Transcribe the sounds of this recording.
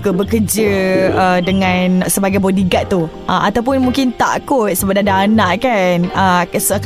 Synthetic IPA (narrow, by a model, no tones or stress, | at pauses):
kəbəkəd͡ʒəədəŋãnsəbaɡajbɔdiɡat̪̚ːu | əʔat̪awp̬ʊnmũŋkɪnt̪a̰kʊt̪̚səbaʔ̚adaːnaʔkanəsk